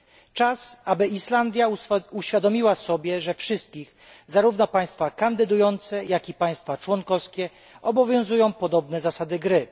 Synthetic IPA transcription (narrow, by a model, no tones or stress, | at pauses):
t͡ʂasabɘiʂland̪ʲjauɕfʲjad̪ɔmʲiwasɔbʲjɛʐɛfʂɘst̪̚kʲix | zaɾuvnɔpaj̃st̪fakand̪ɘd̪ujɔnt̪sɛjakipaj̃st̪fat͡ʂwɔŋkɔfskʲɛ | ɔbɔvʲjɔ̃w̃zujɔ̃w̃pɔd̪ɔbnɛzasad̪ɘɡɾɘ